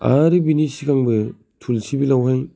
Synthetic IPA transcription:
a̰ɾɯbinisiɡaŋbɯ | tʰulsʰibilawɦaj

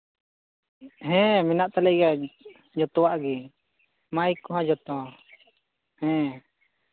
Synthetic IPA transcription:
ɦɛ̃mɛnaʔt̪alɛɡa | d͡ʒɔt̪ɔwaʔɡɛ | majkɔɦãd͡ʒɔt̪ɔ | hɛ̃

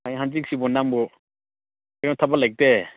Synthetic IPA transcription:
ajɦanzik̚sibɔnambɔ | ajɾɔŋtʰabalajk̚te

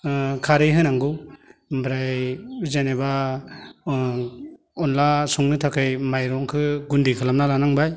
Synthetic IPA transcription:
kʰaɾɯjɦɯnaŋɡɯwbɾajzaneba | ɔnlasɔŋnɯtʰakʰɯjmajɾɔŋkʰɯɡundikʰɯlamnalanaŋbaj

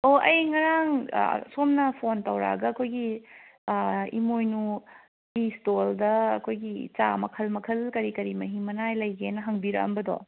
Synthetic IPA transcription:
oʔɐjŋɐɾaŋ̰somnɐpʰontɐwɾa̰ɡɐːkʰojɡi | imojnu | istoldɐɐ̰kʰojɡit͡ʃa̰mɐkʰɐlmɐkʰɐlkɐɾikɐɾimɐɦimɐnajlɐjɡenɐɦɐŋbiɾɐ̰kɐ̰mbɐdo̰

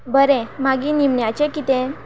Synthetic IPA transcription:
bəɾẽmaɡinimɳjat͡ɕekit̪ẽ

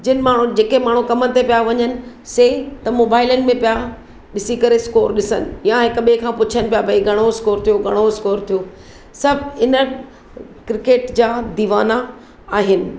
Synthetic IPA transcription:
d͡ʑɪnɪmaːɳ̤ud͡ʑeːkemaːɳ̤ukɐmət̪epijaʋɐɲənɪ̆ | seːt̪ɐmoːbaːɪlənɪ̆mẽpija | ɗɪsikɐɾeskoːɾɗɪsə̰nɪ̆jaɦɪkɓẽkʰãːpʊt͡ɕʰənɪ̆pijabʱɐiɡʱɐɽ̃oskoːɾt̪ʰijoɡʱɐɽ̃oskoːɾt̪ʰijoː | sɐbʱɪnə | kɾɪkeːʈd͡ʑaːd̪iːʋaːna | aːɦɪnɪ̆

